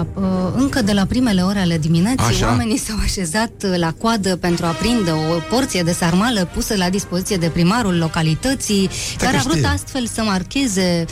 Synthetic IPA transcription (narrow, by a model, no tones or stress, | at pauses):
pɨŋkəd̪e̞lapɾime̞le̞o̞ɾeale̞d̪iminat̪sijwame̞nisawaʃe̞zat̪lakoad̪əpe̞nt̪ɾuapɾind̪eo̞po̞rt̪sije̞d̪e̞sarmaləpusəlad̪ispo̞zit̪sije̞d̪e̞pɾimaɾulːo̞kalit̪ət̪sijkaɾeavɾut̪ast̪fe̞lsəmarkʲe̞ze̞